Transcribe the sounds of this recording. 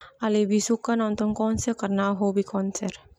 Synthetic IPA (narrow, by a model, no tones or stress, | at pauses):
alebʱisukːanãnt̪onkɔːnsekɐɾnaɦobʱikɔːnseɾ